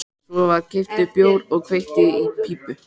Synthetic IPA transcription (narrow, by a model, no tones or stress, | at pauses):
sɔvaɾcɪft̪ʏpjoːwɾɔɣkʰvejht̪ɪipʰiːpʏ